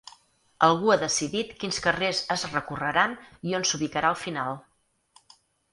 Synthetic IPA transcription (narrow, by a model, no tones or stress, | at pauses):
əlˠɣ̞uaðəsiðit̪kinskərezəzrəkurəɾanionsuβikəɾaəlˠfinalˠ